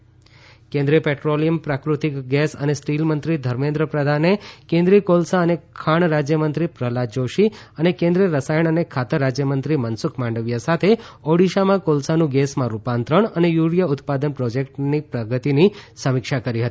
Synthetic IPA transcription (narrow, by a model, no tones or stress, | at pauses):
kẽnd̪ɾiəpeʈɾolijəmpɾakɾut̪ikɡɛsə̰nesʈilmənt̪ɾid̪ʱəɾmẽnd̪ɾəpɾəd̪ʱanekẽnd̪ɾiəkolsaənekʰaɳɾad͡ʒjəmənt̪ɾipɾəlad͡ʒoʃi | ənekẽnd̪ɾiəɾəsajəɳənekʰat̪əɾːad͡ʒjəmənt̪ɾimənsʊkʰmãɳɖəʋjasat̪ʰeoɽiʃamãkolsanũɡɛsmãɾupant̪ɾəɳənejuɽjəʊt̪pad̪ənpɾod͡ʒekʈnipɾəɡət̪inisəmɪkʃakəɾiɦət̪i̥